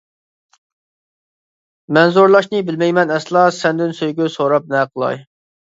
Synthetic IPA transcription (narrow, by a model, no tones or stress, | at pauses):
mɛnzoɾlˠɑʃnɨbɪlmɛjmɛnɛslˠɑsɛnd̪ɪnsøjɡʲysoɾɑp̚nɛqʰəlˠɑ̰j